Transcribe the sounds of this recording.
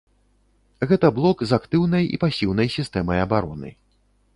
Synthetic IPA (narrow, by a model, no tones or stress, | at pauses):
ɣɛt̪ɐblˠɔkzakt̪ɨwnɐjḭpasʲiwn̪ɐjsʲist̪ɛmɐjɐbaɾɔnɨ̰